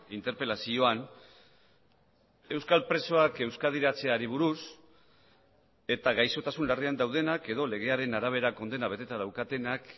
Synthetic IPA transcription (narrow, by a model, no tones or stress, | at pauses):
int̪e̞ɾpe̞lasio̞an | e̞wskalpɾe̞so̞ake̞wskað̞iɾat͡se̞aɾiβ̞uɾus | e̞t̪aɣajso̞t̪asunlariand̪awð̞e̞nake̞ðo̞le̞ɣe̞aɾe̞naɾaβ̞e̞ɾako̞nd̪enaβe̞t̪e̞t̪aðawkat̪e̞nak